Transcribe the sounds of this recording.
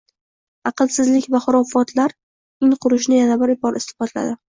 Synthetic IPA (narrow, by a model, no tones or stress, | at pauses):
ɑqɨlˠsɪzlɪkʲvaχʊɾɒfɒt̪laɾ | ɪŋqʰʊɾɪʃnɪjanabɪɾɪbɒɾɪst̪ɪ̥fɒt̪la̰d̪ɪ